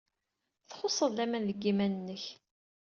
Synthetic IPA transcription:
θχosˤəðˤlæmænðəɡːimænənːəç

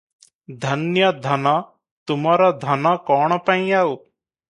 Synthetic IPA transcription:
d̪ʱɐnjad̪ʱɐna | t̪ʊmaːɾad̪ʱɐnakɔːɳ̃pãĩao

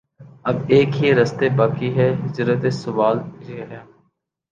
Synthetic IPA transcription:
ɐbeːkɦiɾɐst̪ebaːkiɦɛːɦɪd͡ʒɾət̪esʊʋaːld͡ʒeːɦɛː

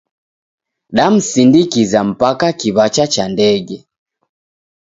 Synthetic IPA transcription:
ɗam̩sindikizam̩pakakiβat͡ʃat͡ʃandɛɡɛ

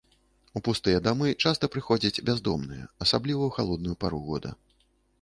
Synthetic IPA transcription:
upust̪ɨjɐd̪amɨt͡ʂast̪ɐpɾɨxɔd͡zʲɐt͡sʲbʲazd̪ɔmnɨjɐ̰ɐsablʲivɐwxalˠɔd̪̚nujupaɾuɣɔd̪ɐ̰

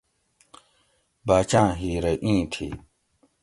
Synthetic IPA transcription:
baːt͡ɕãːɦiːɾeʔĩːt̪ʰḭː

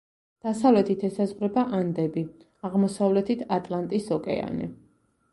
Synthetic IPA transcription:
d̪̥asavlɛt̪ʰit̪ʰɛsazʁɾɛbaʔand̪ɛbi | aʁmɔsavlɛt̪ʰit̪ʰat̪ʼlˠant̪ʼisɔkʼɛ̰a̰nḭ

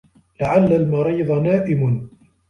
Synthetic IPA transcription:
laʕalːalmɑɾiːd̪ˤnaːʔɪmn

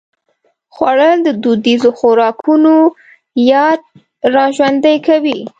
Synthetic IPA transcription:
xwaɽəld̪əd̪ud̪izoxʊɾɑkʰuno | jɑd̪̚ | ɾɑʒwand̪əjkawi

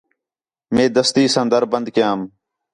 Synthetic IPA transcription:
mẽːd̪əst̪iːsə̃nd̪əɾbənd̪kɪjãːm

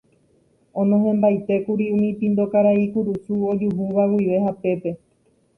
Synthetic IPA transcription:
õ̞nõɦẽmbajt̪e̞kuɾiũmĩpĩnd̪o̞kaɾaikuɾusuod͡ʒuɦuʋawiʋe̞ɦape̞pe̞

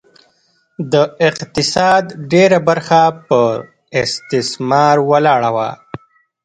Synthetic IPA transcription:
d̪əɪqt̪ɪsɑd̪ɖeɾabaɾxapə | ɪst̪ɪsmɑɾwalɑɽawa̰

